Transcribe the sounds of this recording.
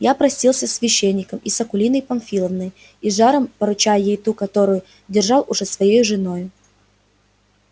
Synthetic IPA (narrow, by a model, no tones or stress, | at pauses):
japɾɐsʲtʲilˠsʲəsʲvʲɪɕːenʲːɪkəmisɐkʊlʲinəjpɐnfʲilˠəvnəj | iʐaɾəmpəɾʊt͡ɕajəjejt̪ukɐt̪oɾʊjʊ | dʲɪrʐɑlˠʊʐɛsvɐjejʊʐɨno̞jʊ